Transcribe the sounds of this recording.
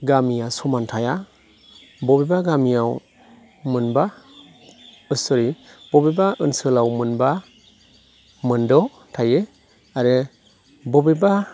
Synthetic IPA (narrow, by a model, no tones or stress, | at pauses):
ɡamijasɔmantʰaja | bɔbebaɡamijaw | mɯnba | ɯsɔɾib̥ɔbebaʔɯnsɯlawmɯnba | mɯndɔ | tʰaje | aɾe | bɔbeba